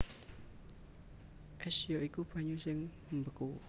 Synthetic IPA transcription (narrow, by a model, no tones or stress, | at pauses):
ʔɛsjoʔikub̥a̤ɲusɪŋ | mbəku